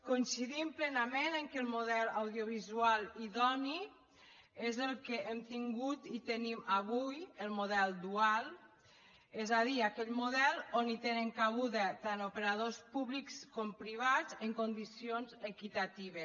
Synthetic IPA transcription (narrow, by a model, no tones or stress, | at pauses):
kujnsiðimplɛnamenəŋkelˠmuðɛlˠawðioβ̞izualiðɔni | ezəlˠkeemt̪iŋɡut̪it̪enimaβujəlˠmuðɛlˠd̪ualˠ | ezaðiakɛʎmuðɛlˠonit̪eneŋkaɣuðət̪anupeɾað̞ospuβlikskompɾiβ̞azeŋkond̪isionzekit̪at̪iβ̞es